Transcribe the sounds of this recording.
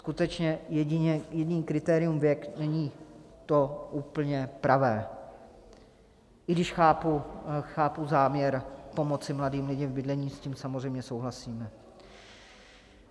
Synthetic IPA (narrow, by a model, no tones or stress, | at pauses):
skut̪ɛt͡ʃɲɛjɛɟɪɲɛjɛɟɪniːkɾɪt̪ɛːɾɪjumvjɛknɛɲiːt̪o̞ʔuːpl̩ɲɛpɾavɛː | ʔɪɡdɪʃxaːpuxaːpuzaːmɲɛɾpo̞mo̞t͡sɪmladiːmlɪɟɪvbɪdlɛɲiːsciːmsamozɛjmɲɛsowɦlasiːmɛ